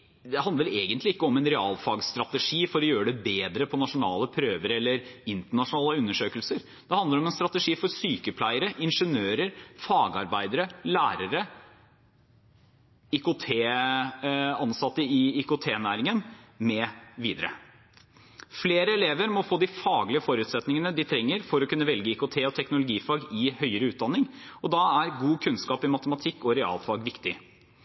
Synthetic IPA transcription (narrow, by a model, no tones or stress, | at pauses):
d̪ɛhɑnd̪əʋəleːɡənt̪lɪɪkːəɔmɛnɾɛɑːlfɑːɡst̪ɾɑt̪əʂiːfɔɾɔjøːɾəɖ̪ɛbeːd̪ɾəpʰɔnɑʂʊnɑːləpʰɾøːʋəɾɛlːəɾɪnt̪əɳɑʂʊnɑːləʉnːəʂøːkəlsəɾ | d̪̥ɛhɑnd̪əɾɔmɛnst̪ɾɑt̪əʂiːfɔɾsyːkəpʰlæɪəɾəʔɪnʂənøːɾəɾfɑːɡɑɾbæɪd̪əɾəlæːɾəɾə | ʏkʊt̪ʰeː | ɑnsɑt̪ːəɪɪkʊt̪ʰeːnæːɾɪŋənmɛːʋiːd̪əɾə̰ | fleːɾəɛleːʋəɾmɔfoːd̪ɪfɑːɡlɪəfɔɾʉːt̪sɛt̪nɪŋənəd̪ɪt̪ʰɾɛŋːəɾfɔɾɔkʰʉnːəʋɛlɡəɪkʊt̪ʰeːɔt̪ʰɛknʊlʊɡiːfɑːɡɪhœʏəɾəʉːt̪̚d̪ɑnːɪŋɔd̪ɑæɾɡuːkʰʉnskɑːpɪmɑt̪əmɑt̪ʰɪkːɔɾɛɑ̰ːlfɑːɡʋɪkt̪ɪ